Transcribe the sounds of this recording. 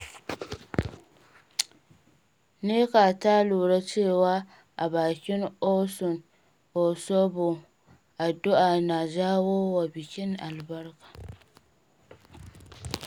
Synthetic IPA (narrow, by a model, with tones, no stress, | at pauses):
ne˦ka˨taː˦luː˨ɾa˦t͡ʃɪ˦˨wa˦ | a̰˨baː˨kʲɪ˦n˦o˦sʊ˨n | o˨sɔ˦bʊ˨ | a˨do˦ʔa˨na˨zaː˦wo˦wa˨bi˨kʲɪ˦n˦a˨lba˦ɾkḁ˨